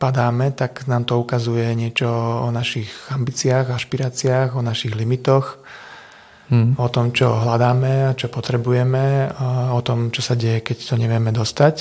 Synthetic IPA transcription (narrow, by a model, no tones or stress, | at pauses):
pad̪aːmɛt̪aknaːmt̪ɔukazujɛɲɪɛt͡ʃɔɔnaʃiɣambiːt͡sɪaːɣaʃpiɾaːt͡sɪaːɣɔnaʃiɣlimit̪ɔx | ɔt̪ɔmt͡ʃɔɦlad̪aːmɛat͡ʃɔpɔt̪ɾɛbujɛmɛɔt̪ɔmt͡ʃɔsaɟɛjɛkɛct̪ɔɲɛʋɪɛmɛd̪ɔst̪ac